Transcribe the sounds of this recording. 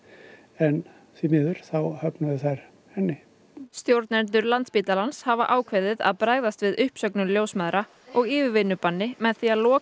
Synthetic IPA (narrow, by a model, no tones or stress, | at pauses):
ɛn | θimɪːðʏɾ̥θawhœpnaðɪθaɾ | hɛnːɪ | st̪jowɾt̪nɛnt̪ʏɾlant̪spit̪alanshavaʔaːwkʰveðɪða̰ðpɾaɣðast̪vɪðʏhpsœknʏmljowsmaðɾa | ɔɣiːvɪvɪnːʏpanːɪmɛðθialɔː